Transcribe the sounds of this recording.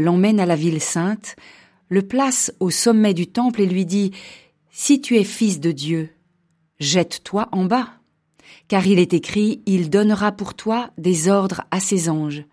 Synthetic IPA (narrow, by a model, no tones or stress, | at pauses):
lɑ̃mɛnalavilsɛ̃t̪ | ləplasosɔmːɛd̪yt̪ɑ̃plelɥid̪i | sit̪yɛfis̬d̪əd̪jø | ʒɛt̪ːwaʔɑ̃ba | kaʁilɛt̪ekχiːld̪ɔnʁapuʁt̪wad̪ezɔʁd̪ʁasezɑ̃ʒ